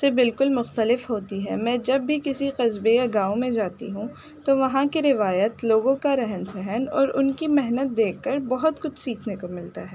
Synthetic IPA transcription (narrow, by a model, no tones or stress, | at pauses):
sebɪlkʊlmʊxt̪əlɪfɦoːt̪iɦɛ̰mɛ̃ːd͡ʒɐbːʱikɪsiqɐzbejaɡãːõmẽd͡ʒaːt̪ḭɦũ | t̪oʋɐɦãkiɾɪʋaːjət̪loːɡõkaɾɛɦənsɛɦənɔ̰ːɾʊnkimɛɦnət̪̚d̪eːkːəɾbɔɦʊt̪kʊt͡ʃʰsiːkʰnekomɪlt̪aɦɛː